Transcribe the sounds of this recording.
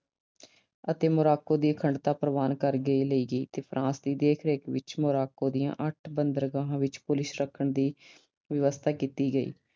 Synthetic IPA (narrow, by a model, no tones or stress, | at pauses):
ət̪eːmʊɾaːkõːd̪iːəkʰəɳɖt̪aːpɾəʋaːnkəɾɡəiːləiːɡəiːt̪eːpʰɾʔãːsd̪iːd̪eːkʰɾeːkʋɪ̰t͡ʃmoɾaːkõːd̪ijã̰ːʔəʈʰbənd̪əɾɡãːɦãːʋɪt͡ʃpʊlɪsɾəkʰəɳd̪iː | ʋɪʋəst̪ʰaːkiːt̪iːɡəḭː